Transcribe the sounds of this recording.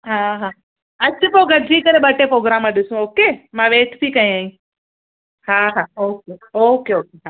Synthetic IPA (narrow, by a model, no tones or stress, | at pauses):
ɦãɦã | ət͡ʃpoɡəɾd͡ʒiːkəɾeɓəʈepɾoɡɾamːãɗɪsũoːkemãʋeːʈʰt̪ʰikaĩaːĩ | ɦãɦãoːkeoːkeoːkeɦãː